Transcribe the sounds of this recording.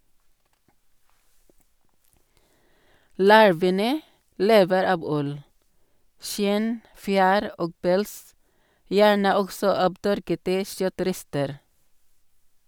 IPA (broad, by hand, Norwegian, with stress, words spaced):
ˈlɑɹʋənə ˈleːʋəɾ ˈɑb ˈʉl ˈʃɪn ˈfjæːɾ ˈoːɡ ˈpɛls ˈjæːɳə ˈɔɡsɔ ˈɑːb ˈtœɾkətə ˈʃœˌtɾɛstəɾ